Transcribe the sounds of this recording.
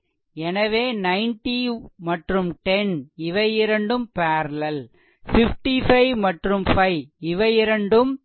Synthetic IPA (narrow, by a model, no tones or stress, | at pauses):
ɛnɐʋeːnɐɪnʈimɐʈrɯmʈɛnɪʋɐjɪɾɐɳɖɯmpaːɾlɐl | fɪfʈifɐɪʋmɐʈrɯmfɐɪɪʋɐjɪɾɐɳɖɯm